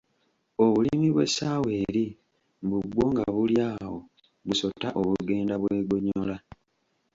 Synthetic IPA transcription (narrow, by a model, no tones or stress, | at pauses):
o̞βulimiβwe̞̰saːwe̞ːɾi | mbuɡwo̞ːŋɡaβuljaːho̞ | βuso̞tːaʔo̞βuɡe̞ːndaβwe̞ːɡoɲola